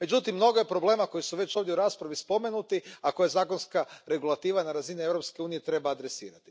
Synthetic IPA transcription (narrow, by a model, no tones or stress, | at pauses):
me̞d͡ʒut̪imːno̞ɡoje̞pɾo̞ble̞ːmako̞jisuʋe̞t͡ʃoːvd̪jeuɾaspɾaʋispo̞me̞nut̪iako̞jazaːkonskaɾe̞ɡulˠat̪iːʋanaɾazinievɾo̞pske̞uːnije̞t̪ɾe̞baːd̪ɾe̞sḭːɾat̪i̥